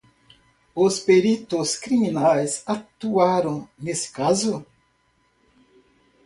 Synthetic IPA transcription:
ospeɾit̪oskɾiminajsat̪uaɾɐ̃w̃nesɪ̥kazʊ

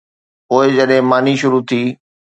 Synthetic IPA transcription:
poːɪd͡ʑəɗɦɪ̃maːniʃʊɾut̪ʰiː

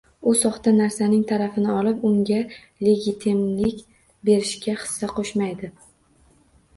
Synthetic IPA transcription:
ʊsɒχt̪anaɾsanɪŋt̪ʰaɾafɪnɪɒlɪpʊŋɡʲa | le̞ɡʲit̪ʰɪmlɪkʲ | be̞ɾɪʃkʲaχɨ̥sːaqʰoʃmajd̪ɪ

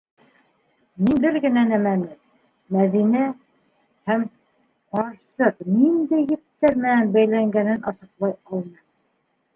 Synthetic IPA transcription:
minbɘɾɡɘ̆nænæmænɘm | mæðinæ | hæm | qɑɾsɤqnind̪ɘjɘ̆pt̪ːæɾmɘ̆nænbæjlæŋɡænɘnʔɑsɤ̆qlˠɑjɑlˠnɤ

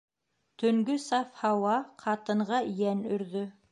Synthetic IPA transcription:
t̪ɵ̆ŋɡɵsɑfhɑwɑqʰɑt̪ɤ̆ɴʁɑjænɵ̆ɾðɵ

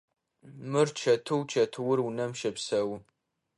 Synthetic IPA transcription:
mɨrt͡ʃʰɐtʰɨwt͡ʃʰɐtʰɨwʊrwunɐmʃɐpsɐw

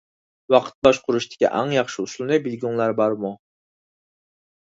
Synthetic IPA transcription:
wɑqʰə̥t̪̚bɑʃqʰʊɾuʃt̪ʰɪ̥kʲḭʔɑ̰ŋjɑχʃɨuʃlˠɨnɨbilɡʲuŋlˠæɾbɑɾmu

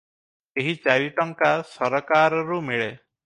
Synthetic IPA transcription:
eɦit͡ʃaɾiʈɔŋkasɔɾɔkaɾɔɾumiɭe

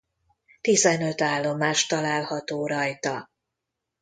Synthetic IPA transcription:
t̪izɛnø̞t̪aːlːo̞maːʃt̪ɒlaːlhɒt̪oːɾɒjt̪ɒ

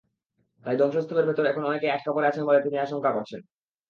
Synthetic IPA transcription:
t̪ajd̪ɔŋʃost̪ʰːumeɾbʱet̪oɾɛkʰonɔnekeɛk̚ʰʈapoɾeat͡ɕʰenbolet̪iniaʃoŋkakoɾt͡ɕʰen

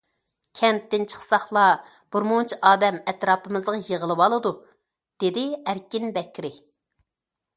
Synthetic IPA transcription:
kʲʰɛmt̪ːɪnt͡ʃʰə̥χsɑχlˠɑ | b̥uɾmunt͡ʃʰiʔɑːd̪ɛmɛt̪ɾɑːpɨmɨzʁɑjəʁəlˠɨwɑlˠɨd̪u | d̪̥ed̪ɪæɾkʲinbɛkʲɾɪ

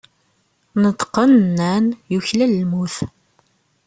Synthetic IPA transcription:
nət̪ːqːənnːænjuçlælːmuθ

